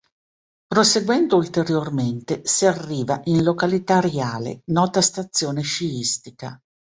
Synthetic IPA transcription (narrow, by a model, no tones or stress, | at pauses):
pɾoseɡwɛnd̪oult̪eɾjorment̪esiarːiːvaʔinlokalit̪aɾeaːlḛnɔːt̪ast̪at̪sːjoːneʃiist̪ika̰